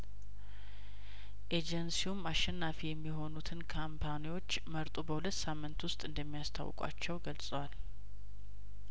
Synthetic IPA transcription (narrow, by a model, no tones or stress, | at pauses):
ʔed͡ʒɛnsiumaʃɛnːafijɛmːiɦo̞nut̪ʰɨnkʰampʰaniwo̞t͡ʃːməɾt̪ʼubəhulət̪ːsamːɨnt̪wʊst̪ʼɨnd̪əmːijast̪ʰa̰w̰kʼa̰t͡ʃːɛwɡəlsʼəwal